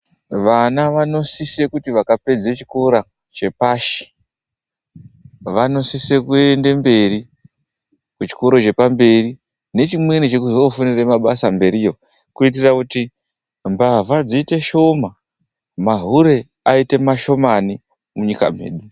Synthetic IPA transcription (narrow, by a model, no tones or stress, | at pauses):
ʋanaʋano̞sise̞kutiʋakape̞d͡zet͡ʃi̥koɾa | t͡ʃe̞paːʃi̥ | ʋano̞sisekuende̞mbe̞ri | kut͡ʃi̥ko̞ɾo̞t͡ʃe̞pambe̞ri | ne̞t͡ʃimwe̞nit͡ʃe̞kuzofoniremaɓasambe̞ɾijo̞ | kuit̬irakuti | mbavad͡ziːte̞ʃo̞ma | maɦuɾe̞ | aite̞maʃo̞mani | muɲika̰m̤ḛːɗu